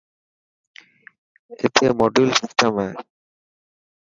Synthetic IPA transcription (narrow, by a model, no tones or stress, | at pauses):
ḛt̪ʰemɔɖilsisʈemɛ